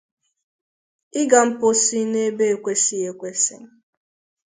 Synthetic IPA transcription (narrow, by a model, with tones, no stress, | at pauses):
ɪ˦ɡa˨m̩˦po˦si˦ne˦be˦e˨kʷe˦si˦e˨kʷe˦sɪ̰˦ŋ˦